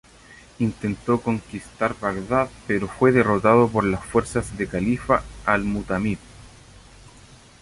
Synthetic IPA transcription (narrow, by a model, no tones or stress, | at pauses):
int̪e̞nt̪oko̞ŋkist̪aɾβaɣðaðpeɾofwe̞ðerot̪aðopoɾlasfweɾsazðekalifaːlmut̪amið̚